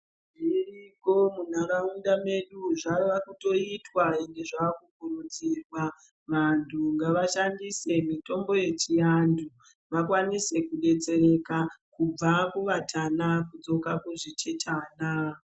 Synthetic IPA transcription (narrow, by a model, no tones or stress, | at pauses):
ʐiriko̞mun̤aɾaundame̞ɗuʐaʋoʋakuto̞itwaeŋɡe̞ʐaakuɡʱuɾud͡zirwa | ʋantʰuŋɡaʋaʃandise̞mito̞mbo̞je̞t͡ʃijandu | ʋakwanise̞kuɗe̞t͡se̞ɾe̞kakub͡vakuʋatʰanakud͡zo̞kakuʐit͡ʃetʰaːna